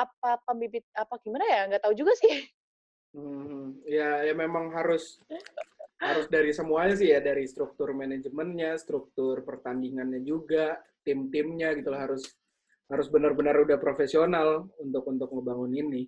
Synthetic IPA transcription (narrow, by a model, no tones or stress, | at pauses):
ap̚apəmbibɪt̪̚apaɡimanajaŋɡat̪aud͡ʒuɡasɪh | m̩h̩jajamemaŋɦaɾʊs | haɾʊsdaɾisəmuaɲas̬ɪhjadaɾist̪ɾuk̚t̪ʊrmened͡ʒmənɲast̪ɾuk̚t̪ʊrpərt̪andiŋanɲad͡ʒuɡat̪ɪmt̪ɪmɲaɡit̪ulaɦaɾʊs | haɾʊsbənərbənərudahpɾofesionalunt̪ʊkunt̪ʊk̚ŋəbaŋʊninɪ